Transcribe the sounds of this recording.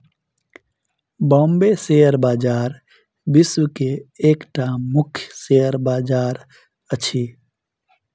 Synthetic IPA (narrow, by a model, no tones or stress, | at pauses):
bɔ̃ːmbeseəɾbaːd͡ʒaːɾ | bɪswkeeːkʈamʊkʰjseəɾbaːd͡ʒaːɾ | ət͡ʃʰi